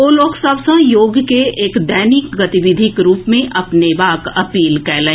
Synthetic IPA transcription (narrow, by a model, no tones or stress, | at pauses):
oːloːɡsɐbsə̃joːɡkeʔeːkd̪ɛːnikɡɐt̪iʋɪd̪ʱɪkɾuːpmẽʔɐpneʋaːkɐpiːlkɛːlẽ